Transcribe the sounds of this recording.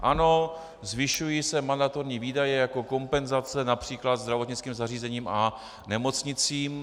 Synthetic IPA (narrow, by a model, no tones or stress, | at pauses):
ʔano̞ | zvɪʃujiːsɛmand̪at̪oɾɲiːviːdajɛjako̞ko̞mpɛnzat͡sɛnapr̝̥iːklat̪zd̪ɾavot̪ɲɪt͡skiːmzariːzɛɲiːmʔa | nɛmo̞t͡sɲɪt͡siːm